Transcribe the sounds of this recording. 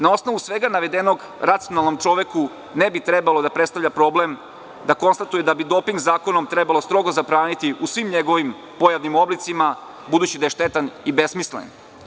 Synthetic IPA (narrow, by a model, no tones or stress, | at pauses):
nao̞sno̞ʋusʋeɡanaʋe̞d̪eno̞ɡ | ɾat̪sio̞nalˠnomt͡ʂo̞ʋeku | nebit̪ɾebalˠo̞d̪apɾet̪st̪avʎapɾo̞ːblem | d̪ako̞nst̪at̪ujed̪abid̪o̞piŋɡzaːko̞nomt̪ɾebalost̪ɾo̞ɡozapɾaːnit̪iusʋimɲeɡo̞ʋim | po̞jaʋnimo̞blit̪sima | bud̪ut͡ɕid̪ajeʃt̪et̪anibe̞smislḛn